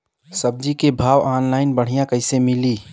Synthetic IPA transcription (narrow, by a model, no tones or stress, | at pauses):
səb̚d͡ʒikebʱaːʋaːnlaːɪnbəɽ̤ijãkəɪsemɪliː